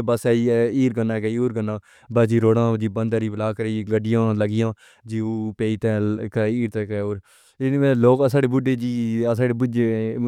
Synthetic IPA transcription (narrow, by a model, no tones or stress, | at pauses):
bəsɛːiiːɾɡənːãːkeioːɾɡənãː | bəsd͡ʒiːɾoːɽãːd͡ʒiːbənd̪aːɾiːblaːkəɾeiɡəɖɪjãːləɡɪjãː | d͡ʒiːoːpeːiːt̪ɛ̃ːkɛiːɾt̪ɛːkɛoːɾ | ɪɛ̃ːloːkːsaːɽeːbʊɖeːd͡ʒiːsaːɽeːbʊd͡ʒeː